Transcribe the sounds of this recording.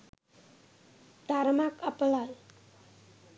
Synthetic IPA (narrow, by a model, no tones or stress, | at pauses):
t̪aɾəmakapəlal